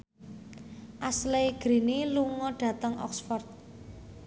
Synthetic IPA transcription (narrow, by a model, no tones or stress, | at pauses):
ʔasleɡ̥ɾiniluŋɔɖ̥ä̤t̪əŋɔ̰ksfɔrt̪̚